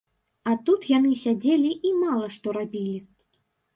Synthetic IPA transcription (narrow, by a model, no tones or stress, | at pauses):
at̪ut̪janɨsʲad͡zʲelʲiimalˠɐʂt̪ɔɾabʲilʲi